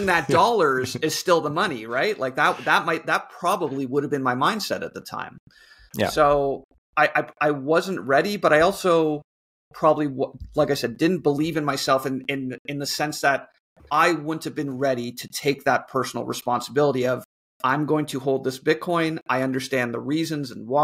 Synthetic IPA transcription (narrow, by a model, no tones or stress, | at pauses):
ŋðɨt̚d̥ɔlˠə˞zɨz̥stɪlˠðəmʌniɹaɪt̚lʔaɪk̚ðət̚ðət̚maɪt̪̚ðət̚pʰɹ̥ɑbəbliwʊɾɨvbɨ̃nmaɪmãɪ̃nd̥sɛ̰ɾɨ̰t̪̚ðətʰã̰ɪ̃m̰ | soʊ | aɪʔaɪaɪwʌzɨ̃n̩ʔɹɛɾibʌɾaɪɔlˠsoʊ | pʰɹ̥ɑbəbliwʌlaɪkaɪsɛd̚dɪdⁿn̩b̥əlivɨ̃nmaɪsɛlˠfɨ̃nɪ̃nɨ̃nðɨsɛ̃nsðɨɾ | ʔaɪwʊdⁿn̩tɨvbɨ̃nɹɛɾiɾɨtʰeɪk̚ðət̚pʰɜ˞sn̩l̩ˠɹə̰spɑ̃nsəbɪlˠəɾiʌv | ãɪ̃mɡoʊɪ̃ŋtʰɨɦoʊlˠd̪̚ðɪsb̥ɪt̚kʰɔ̃ɪ̃naɪʌ̃ndə˞stæ̃nðəɹizɨ̃nzɨ̃n̩wa